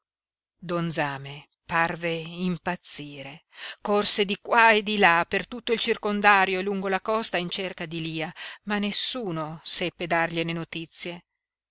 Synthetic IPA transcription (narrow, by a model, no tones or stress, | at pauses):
d̪ond̪zaːme | parveimpat̪sːiːɾekorsed̪ikwaed̪ilapert̪ut̪ːoilt͡ʃirkond̪aːɾjoluŋɡolakɔst̪aint͡ʃerkad̪iliːamanːesːuːnosɛpːed̪arʎenenot̪it̪sːje